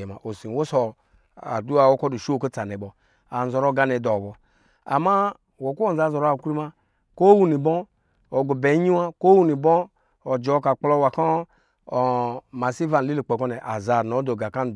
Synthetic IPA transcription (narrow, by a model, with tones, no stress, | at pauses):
ɛ˨ma˨ʔo˨si˨n˨wo˦sɔ˨ | a̰˨du˦a˨wo˦kɔ˦du˨ʃo˦ko˦t͡sa˨nɛ˨bɔ˨ | a˨n˨zɔ˨ɾɔ˦ɡa˧nɛ˨dɔ˨bɔ˨ | a̰˨ma˦ | wo˨ku˦o˦˨za˨˦zɔ˨ɾa˨ku˦ɾi˦ma˦ | ko˦wu˦ni˨bɔ˦ | ɔ˨ɡo˨bɛ˨˦ɲi˦wa˦ko˦wu˦ni˨bɔ˦ | ɔ˨d͡ʒɔ˨˦ka˨k͡plɔ˦wa˨kɔ˦˨ | ma˨si˦va˨n˨i˦li˨k͡pe˨kɔ˦nɛ˨ʔa˨za˨nɔ˨˦do˨ɡa˨ka˦n˨d